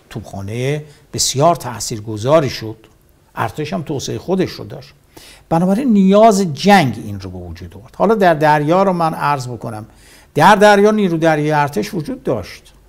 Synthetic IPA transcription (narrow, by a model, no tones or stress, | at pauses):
t̪ʰub̥xɒ̰ːneeb̥e̞sjɒːɾt̪ʰæ̰ʔsiːɾɡozɒːɾiːʃod̪̥ | ʔæ̰ɾt̪ʰeʃhæmt̪ʰoːseexod̪eʃɾo̰d̪ɒːʃt̪ | b̥ænɒːbæɾinːijɒːzed͡ʒæŋɡinrobe̞vod͡ʒuːd̪ovoɾd̪hɒːlɒːd̪æɾd̪æɾjɒːɾɔmænæɾzbo̞kʰonæm | d̪̥æɾd̪æɾjɒːniːɾud̪æɾjɒːjeæɾt̪ʰeʃvod͡ʒuːd̪ːɒːʃt̪